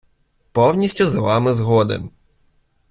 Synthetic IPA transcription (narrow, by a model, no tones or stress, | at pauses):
pɔwnʲisʲtʲuzɐʋɑmɪzɦɔd̪ɪ̰m